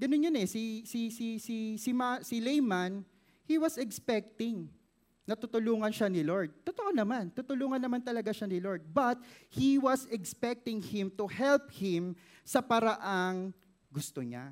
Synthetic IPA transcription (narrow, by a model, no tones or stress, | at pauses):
ɡɐnonːonɛsisisisisɪmasɪlejman | hiwɐsɛkspɛk̚t̪ɪŋ | nɐt̪ʊt̪ʊluːŋɐnʃanɪloɹd̪̚t̪ot̪oʔonɐmant̪ut̪ʊluːŋɐnːɐmant̪ɐlɐɡaʃanɪloɹd̪̚bɐt̪̚hiwɐsɛkspɛk̚t̪ɪŋhɪmt̪ʊhɛlp̚hɪ̃m | sɐpɐɾɐʔaŋ | ɡʊst̪oɲa̰